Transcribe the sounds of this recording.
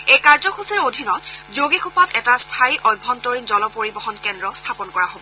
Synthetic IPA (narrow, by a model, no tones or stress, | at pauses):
ejkaɹzɔkʰusɛɹodʱinɔtzoɡekʰupatɛtastʰajʔɔjbʱːɔntɔɹinzɔlɔpoɹibɔɦɔnkɛndɹɔstʰapɔnkɔɹaɦobɔ